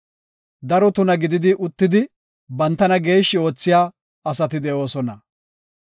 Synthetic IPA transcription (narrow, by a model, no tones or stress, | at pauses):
d̪ɐɾɔt̪ʊnɐɡɪd̪ɪd̪ɪʔʊt̪ːɪd̪ɪ | bɐnt̪ːɐnɐɡe̞ːʃːɪo̞ːt͡sːɪjaː | ɐsɐt̪ɪd̪ɛʔo̞ːsɔnɐ̰